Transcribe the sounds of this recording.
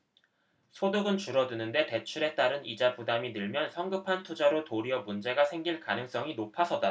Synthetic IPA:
sʰodɯɡɯnt͡ɕuɾʌdunɯnde̞te̞t͡ɕʰuɾe̞t͈aɾɯnid͡ʑapudaminɯɭmjʌnsʰʌŋɡɯpʰantʰud͡ʑaɾotoɾiʌmund͡ʑe̞ɡasʰeŋɡiɭkanɯŋs͈ʌŋinopʰasʰʌd͈a

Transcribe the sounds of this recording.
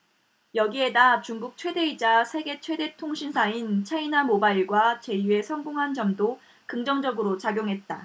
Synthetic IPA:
jʌɡie̞dat͡ɕuŋɡuk̚t͡ɕʰwe̞de̞id͡ʑasʰe̞ɡe̞t͡ɕʰwe̞de̞tʰoŋɕʰinsʰaint͡ɕʰainamobaiɭɡwat͡ɕe̞jue̞sʰʌŋɡoŋɦand͡ʑʌmdo | kɯŋd͡ʑʌŋd͡ʑʌɡɯɾot͡ɕaɡjoŋɦe̞t̚t͈a

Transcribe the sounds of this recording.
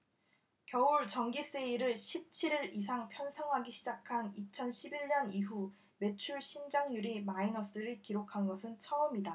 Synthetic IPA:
kjʌuɭt͡ɕʌŋɡis͈eiɾɯɭɕʰip̚t͡ɕʰiɾiɾis̬ʰaŋpʰjʌnsʰʌŋɦaɡiɕʰid͡ʑakʰanit͡ɕʰʌnɕʰibiɭɲʌniɦu | me̞t͡ɕʰuɭɕʰind͡ʑaŋɲuɾimainʌs͈ɯɾikiɾokʰanɡʌsʰɯnt͡ɕʰʌʌmida

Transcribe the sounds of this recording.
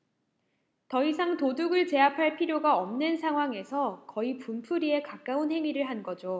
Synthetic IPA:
tʌisʰaŋtoduɡɯɭt͡ɕe̞apʰaɭpʰiɾjoɡaʌmnɯnsʰaŋɦwaŋe̞sʰʌkʌipumpʰuɾie̞kak͈aunɦe̞ŋiɾɯɭɦanɡʌd͡ʑo

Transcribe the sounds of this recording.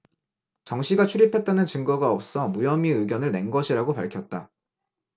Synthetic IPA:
t͡ɕʌŋɕʰiɡat͡ɕʰuɾipʰe̞t̚t͈anɯnt͡ɕɯŋɡʌɡaʌp̚s͈ʌmujʌmiɯɡjʌnɯɭne̞nɡʌɕʰiɾaɡopaɭkʰjʌt̚t͈a

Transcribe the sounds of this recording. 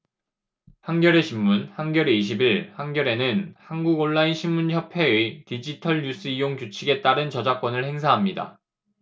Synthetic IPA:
hanɡjʌɾe̞ɕʰimːunhanɡjʌɾeiɕ̬ʰibiɭhaŋɡjʌɾe̞nɯnhanɡuɡoɭːainɕʰimːunçjʌpʰe̞etid͡ʑitʰʌɭɲus͈ɯijoŋt͡ɕut͡ɕʰiɡe̞t͈aɾɯnt͡ɕʌd͡ʑak͈wʌnɯɭhe̞ŋsʰaɦamɲida̰

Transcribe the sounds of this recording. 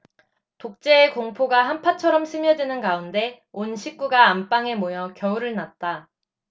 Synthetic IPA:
tok̚t͡ɕ͈e̞ːkoŋpʰoɡahampʰat͡ɕʰʌɾʌmsʰɯmjʌd͡ʑinɯnɡaunde̞ | onɕʰik̚k͈uɡaːmp͈aŋe̞mojʌkjʌuɾɯɭnat̚t͈a

